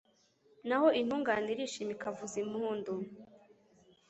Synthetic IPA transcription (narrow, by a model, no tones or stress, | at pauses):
nahoʔin̥huːŋɡaniɾiʃimikavuzimuhuːndum